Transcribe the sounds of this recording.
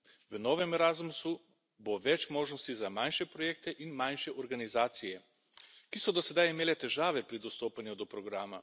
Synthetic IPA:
ʋənɔːʋɛmɾazmusu | boʋɛt͡ʃmoːʒnɔst̪izamajnʃɛpɾɔjeːk̚t̪ɛʔinmajnʃɛʔɔɾɡanizaːt̪sijɛ | kisɔd̪ɔsɛd̪ajimeːlɛt̪ɛʒaːʋɛpɾid̪ɔst̪oːpanjud̪ɔpɾɔɡɾaːma

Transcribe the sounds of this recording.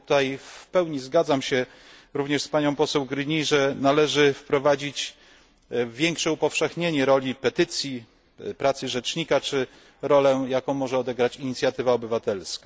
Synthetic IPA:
t̪ajfpɛwɲizɡad̪zamɕɛ | ɾuvɲɛʂspaɲɔ̃w̃pɔsɛwɡɾɘɲiʐɛnalɛʐɘfpɾɔvad͡ʑit͡ɕ | vʲjɛŋkʂɛupɔfʂɛxɲeɲɛɾɔlʲipɛt̪ɘt̪sʲji | pɾat̪sɘʐɛt͡ʂɲikat͡ʂɘ | ɾɔlɛjakɔ̃w̃mɔʐɛɔd̪ɛɡɾat͡ɕiɲit̪sʲjat̪ɘvaɔbɘvat̪ɛlska

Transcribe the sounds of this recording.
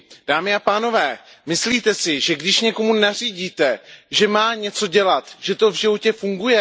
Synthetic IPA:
d̥aːmɪapaːno̞vɛːmɪsliːt̪ɛsɪʒɛɡdɪʃɲɛko̞munar̝iːɟiːt̪ɛʒɛmaːɲɛt͡so̞ɟɛlat̪ʒ̥ɛt̪o̞vʒɪvo̞cɛfuŋɡujɛ

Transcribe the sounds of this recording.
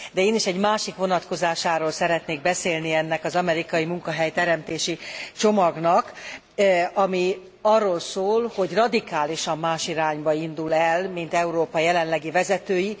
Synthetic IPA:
d̪ɛeːniʃɛɟmaːʃikʋonɒt̪ko̞zaːʃaːɾoːlsɛɾɛt̪neːɡ̚bɛseːlniɛnːɛkɒzɒmɛɾikɒjimuŋkɒɦɛjt̪ɛɾɛmt̪eːʃit͡ʃo̞mɒɡnɒk | ɒmi | ɒrːoːlsoːlho̞ɟrɒd̪ikaːliʃɒmːaːʃiɾaːɲbɒind̪ulɛlmint̪ɛuɾoːpɒjɛlɛnlɛɡivɛzɛt̪øːji

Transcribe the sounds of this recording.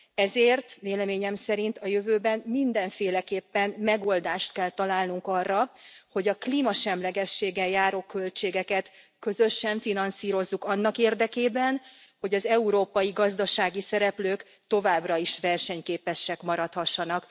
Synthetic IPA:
ɛzeːrt̪veːlɛmeːɲɛmsɛɾint̪ɒjø̞vøːbɛnmind̪ɛɱfeːlɛkeːpːɛnmɛɡo̞ld̪aːʃt̪̚kɛlt̪ɒlaːlnuŋkɒrːɒho̞ɟɒkliːmɒʃɛmlɛɡɛʃːeːɡɛjaːɾoːkø̞lt͡ʃeːɡɛkɛt̪ | kø̞zø̞ʃːɛɱfinɒnsiːɾo̞zːukɒnːɒkeːrd̪ɛkeːbɛnho̞ɟɒzɛuɾoːpɒjiɡɒzd̪ɒʃaːɡisɛɾɛpløːk | t̪o̞vaːbrɒiʃʋɛrʃɛɲkeːpɛʃːɛkmɒɾɒt̪hɒʃːɒnɒk

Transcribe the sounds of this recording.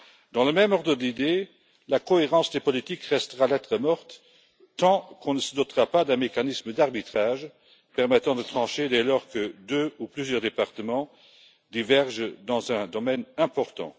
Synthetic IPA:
d̪̥ɑ̃ləmɛmɔʁd̪ʁəd̪id̪e | lakoeʁɑ̃sd̪epɔlit̪ikʁɛst̪əʁalɛt̪ʁəmɔʁt̪ː | ɑ̃kʰɔ̃nəsəd̪ɔt̪ʁapad̪ɛ̃mekanisməd̪aʁbit̪χaːʒ | pɛʁmɛt̪ɑ̃d̪ət̪χɑ̃ʃed̪ɛlɔːʁkəd̪øuplyzjœʁd̪epaʁt̪əmɑ̃ | d̪ivɛʁʒd̪ɑ̃zɛ̃d̪ɔmɛnɛ̃pɔʁt̪ɑ̰̃

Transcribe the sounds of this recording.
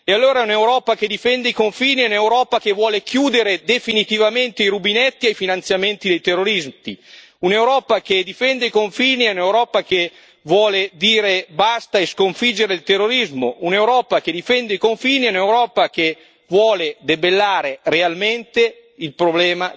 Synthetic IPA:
ealːoːɾaɛunewɾɔːpak̟ed̪ifɛnd̪eikoɱfiːniɛunewɾɔːpakevwɔːlekjuːd̪eɾed̪efinit̪ivament̪eiɾubinɛt̪ːiajfinant̪sjament̪id̪ejt̪erːoɾizt̪i | unewɾɔːpaked̪ifɛnd̪eikoɱfiːniɛunewɾɔːpak̟e | vwɔːled̪iːɾebast̪aeskoɱfid͡ʒːeɾeilt̪erːoɾizmounewɾɔːpaked̪ifɛnd̪eikoɱfiːniɛunewɾɔːpak̟e | vwɔːled̪ebelːaːɾerealment̪e | ilpɾoblɛːma

